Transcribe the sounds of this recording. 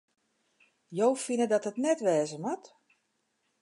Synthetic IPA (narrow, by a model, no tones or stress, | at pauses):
jowfinədɔtɦətnɛtʋɛːzəmɔt